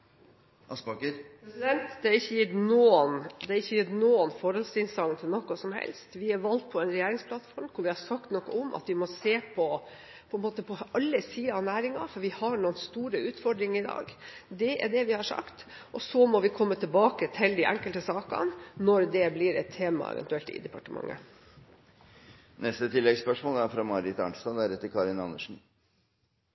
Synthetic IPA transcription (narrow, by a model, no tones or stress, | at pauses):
ɑspɑkpʰɾɛsɪd̪ɛnt̪d̪ɛɑɾɪçːəjɪt̪nuːənd̪ɛɑɾɪçːəjɪt̪nuːənfɔɾhɔlsɪnsɑŋnt̪ʰɪlnɔkːʊsɔmhɛ̰lst̪ʋɪæɾʋɑlt̪̚pʰɔɛnɾɛjeːɾɪŋspʰlɑt̪fɔɾmkʰʊɾʋɪhɑʂɑkt̪nɔkːəʊmʔɑ̰t̪ʋɪmɔseːpʰɔ | pʰɔɛnmoːt̪əpʰɔʔɑlːəsiːɑnæːɾɪŋɑ̰fɔɾʋɪhɑɳuːənst̪uːɾəʉːt̪fɔɖɾɪŋɪd̪ɑ̰ːɡd̪ɛʔæ̰ɖɛʋɪhɑʂɑ̰kt̪ | ʔɔsɔmɔʋɪkʰɔmːət̪ʰɪlbɑːkət̪ʰɪld̪iʔæ̰ŋkəlt̪əsɑːkɑ̰nnɔɾd̪ɛblɪɾɛt̪ʰːeːmɑ̰ɛ̰ʋɛ̰nt̪ʉɛlt̪ɪ̰d̪ɛpɑʈəmɑ̰ŋːʔə̰ | nɛst̪ət̪ʰɪlːɛɡspœʂmoːləæɾfɾɑmɑɾɪt̪ɑ̰nst̪ɑnd̪æɾɛt̪ːəɾkʰɑɾɪnɑnːəʂn̩